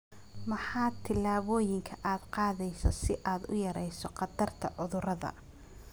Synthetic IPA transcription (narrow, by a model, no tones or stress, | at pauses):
mɐħɑːt̪ʰɪlaːβɔːjɪŋkʰɐʔaːd̪qɑːðɛjsɔ̰sɪʔaːd̪ʊ̰jɐɾɛjsɔqɑd̪ɐrt̪ʰɐʕʊðʊɾɐðɐ̰